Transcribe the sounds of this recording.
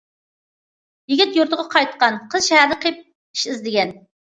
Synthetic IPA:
jɪɡʲit̪joɾt̪ʰəʁɑqʰɑjt̪̚qɑnqʰəzʃɛhæɾd̪ɨqʰep̚ | i̥ʃɪzd̪ɪɡʲɛn

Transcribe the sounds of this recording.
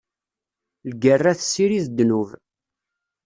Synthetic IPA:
lɡərːæθəsːiɾiðd̪ːnuv

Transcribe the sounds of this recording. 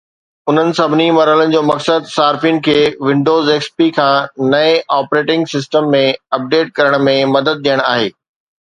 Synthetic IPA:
ʊn̤ənɪ̆sɐbʱɪnimɐɾɦələnɪ̆d͡ʑoːmɐksəd̪saːɾfinɪ̆kʰeːʋɪ̃ɳɖoːzeːkspikʰãːnɐẽʔaːpɾeːʈɪ̃ŋɡsɪsʈəmːẽɐp̚ɖeːʈ̚kɐɾəɽ̃mẽmɐd̪əd̪̚ɗ̪ijəɽ̃aːɦḛː

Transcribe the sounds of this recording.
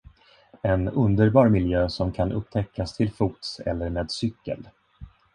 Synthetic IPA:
ɛnɵnd̪əɾbɑːɾmɪljøːsɔmkʰanʔɵ̰p̚ːt̪ʰɛkːast̪ʰɪlfuːt̪sɛ̰lːəɾmeːd̪sʏkːə̰l

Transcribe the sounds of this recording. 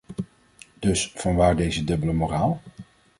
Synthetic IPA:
d̥ɵsfɑnʋaːɹdejzədɵbələmoraːlˠ

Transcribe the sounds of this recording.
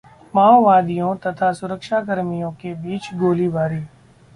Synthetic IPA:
maːoʋaːd̪ijõt̪ɐt̪ʰasʊɾəkʃakəɾmijõkebiːt͡ʃɡoːlibaːɾiː

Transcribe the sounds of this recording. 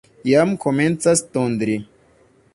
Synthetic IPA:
jamkʰoment͡sast̪ond̪ɾi

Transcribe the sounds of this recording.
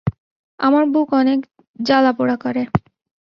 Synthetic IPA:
a̰maɾbukɔnek | d͡ʑalapoɽakɔɾe

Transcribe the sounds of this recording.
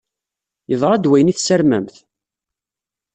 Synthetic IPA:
jəðˤɾˤæd̪wæjniθsəɾmæmθ

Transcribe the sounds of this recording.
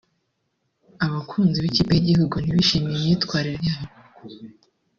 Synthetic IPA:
aβakʰuːnziβiciːpeiɟihuɡuniβiʃimijemɲiːtkwaːɾiɾjaha

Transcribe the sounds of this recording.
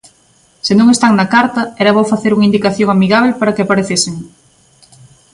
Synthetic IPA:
senũŋest̪aŋnɐkaɾt̪ɐɛɾɐβowfaθeɾuŋaind̪ikaθjõŋamiɣaβ̞lepaɾɐkeapaɾeθeseŋ

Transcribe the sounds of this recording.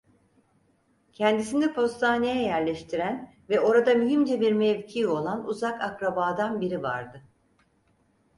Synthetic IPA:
cʰɛnd̪isind̪ɛpʰo̞st̪ʰaːne̞jɛjæɾlʲɛʃt̪ʰiɾæn | vɛʔo̞ɾad̪amyɦimd͡ʒɛbiɾmɛvcʰiːo̞lˠanuzakakɾabaːd̪anbiɾiva̰ɾd̪ɯ

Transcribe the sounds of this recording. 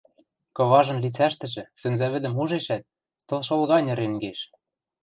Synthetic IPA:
kɤ̆βɑʒɤ̆nlit͡sæʃt̪ɘ̆ʒɘ̆sɘ̆nzæβɘ̆d̪ɘ̆muʒeʃæt̪̚ː | ɤ̆lˠʃɤ̆lɣɑnʲɤ̆ɾĕŋɡeʃ

